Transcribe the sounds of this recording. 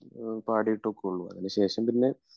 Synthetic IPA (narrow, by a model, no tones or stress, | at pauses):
paːɽijiʈːokːeuɭːuɐ̰ðinɨɕe̞ːʂɐmpinːe̞